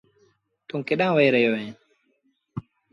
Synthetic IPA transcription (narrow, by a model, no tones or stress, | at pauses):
tuŋkiɗaŋwajɾɛjɔwɛ